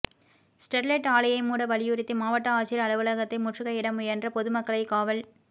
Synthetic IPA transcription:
sʈɛɾlɐʈaːlɐjɐɪmuːɽɐʋɐlɪjɯɾɪt̪ːɯmaːʋɐʈːɐaːt͡ʃɪɾɐɭɯʋɐlɐɣɐt̪ːɐɪmʊʈrɯɣɐɪɽɐmɯjɛndrɐpɔðɯmɐkːɐɭɐɪkaːʋɐl

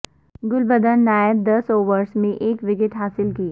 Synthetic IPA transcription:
ɡʊlbəd̪ənːaːjəb̚d̪ɐsoːʋəɾsmẽʔeːkʋɪkɪʈɦaːsɪlkiː

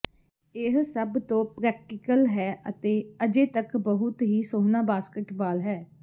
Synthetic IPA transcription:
ɪɦsəbt̪õːpɾɛːk̚ʈɪkəlɦɛːʔət̪eːəd͡ʒeːt̪əkbəɦʊt̪ɦiːsoːɦnaːbaːskəʈbaːlɦɛː

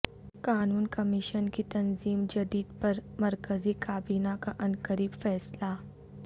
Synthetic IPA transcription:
kaːnuːnkəmiʃənkit̪ɐnziːmd͡ʒɐd̪iːd̪pəɾmɐɾkəzikaːbiːnakaʔɐnkəɾiːbfɛːsla

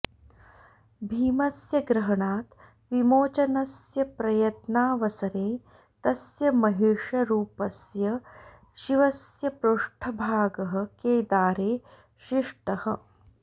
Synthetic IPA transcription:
bʱiːmɐsjɐɡɾɐɦɐɳaːt̪ | ʋimoːt͡ʃɐnɐsjɐpɾɐjɐt̪naːʋɐsɐɾeː | t̪ɐsjɐmɐɦiʂɐɾuːpɐsjɐ | ʃiʋɐsjɐpɾuʂʈʰɐbʱaːɡɐɦɐ̆keːd̪aːɾeː | ʃiʂʈɐhɐ̰

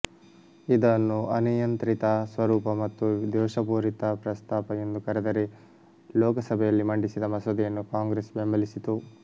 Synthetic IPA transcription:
id̪ɐnːuʔɐnijɐnt̪ɾit̪ɐsʋɐɾuːpɐmɐt̪ːud̪ɛːʃɐpuːɾit̪ɐpɾɐst̪aːpɐjend̪ukɐɾɛd̪ɐɾe | lɔːkɐsɐbʱɛjɐlːimɐɳɖisid̪ɐmɐsɐd̪ijɐnːukaːŋɡɾeːsbembɐlisit̪u

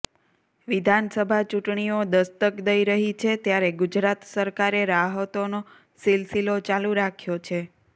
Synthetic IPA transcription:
ʋid̪ʱansəbʱat͡ʃuʈɳiod̪əst̪əkd̪əiɾəɦit͡ʃʰet̪jaɾeɡud͡ʒɾat̪səɾkaɾeɾaɦət̪ono | silsilot͡ʃaluɾakʰjot͡ʃʰe

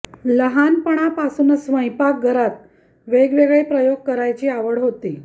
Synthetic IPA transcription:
ləɦanpəɽ̃apasuːnsʋəjpak̚ɡʱəɾat̪ | ʋeɡʋeɡɭepɾəjoɡ̚kəɾajt͡ɕiːaʋəɽɦot̪iː

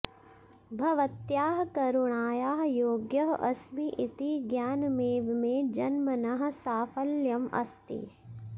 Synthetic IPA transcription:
bʱɐʋɐt̪jaːɦkɐɾuɳ̃aːjaːɦjoːɡjɐɦɐ̰smiʔit̪iɡjaːnmeːʋmẽd͡ʒɐnmɐnɐɦ̆saːfʰɐljɐmɐ̰st̪ḭ

